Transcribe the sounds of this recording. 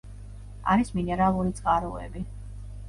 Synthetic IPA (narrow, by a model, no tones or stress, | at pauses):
a̰ɾisminɛɾalˠuɾit̪sʼqʼaɾuɛ̰bi